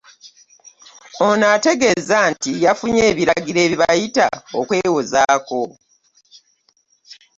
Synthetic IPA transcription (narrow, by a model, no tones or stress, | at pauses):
o̞naːte̞ɡe̞zantijafuɲeːβiɾaɡiɾe̞ːβiβajita̰okwe̞ːwozaːko̞